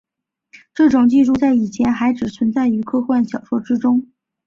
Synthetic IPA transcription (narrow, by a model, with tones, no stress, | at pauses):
ʈ͡ʂɤ˥˩ʈ͡ʂʊ˨˩ŋt͡ɕi˥˧ʂu˥˧t͡sa˥˩ɪi˨˩t͡ɕʰjɛ˧˥nxa˧˥ɪʈ͡ʂɻ̩˨˩t͡sʰwə˧˥nt͡sa˥˩ɪy˧˥kʰɤ˥xwa˥˩nɕjɑ˨˩ʊʂwɔ˥ʈ͡ʂɻ̩˥ʈ͡ʂʊ˥ŋ